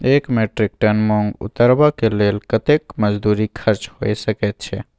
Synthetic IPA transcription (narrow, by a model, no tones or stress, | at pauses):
ekmeʈɾik̚ʈənmoŋɡṵt̪əɾbakelelkət̪ekməd͡ʒd̪uɾikʰəɾt͡ʃhojsəkɛt̪̚t͡ʃʰɛ̰